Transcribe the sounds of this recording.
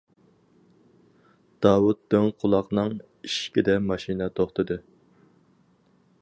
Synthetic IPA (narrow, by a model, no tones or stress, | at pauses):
d̪̥ɑːwut̪̚ːøŋqʰʊlˠɑqnɨŋ | iʃkʲid̪ɛmɑʃinɛt̪ʰoχt̪ɨd̪ɨ